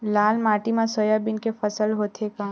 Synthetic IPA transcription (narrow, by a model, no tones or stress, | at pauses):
laːlmaːʈimãsoːjabɪnkefɐsəlɦoːt̪ʰekãː